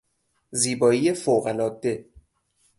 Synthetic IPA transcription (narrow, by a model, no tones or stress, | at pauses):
ziːbɒːijefoɣælɒːd̪e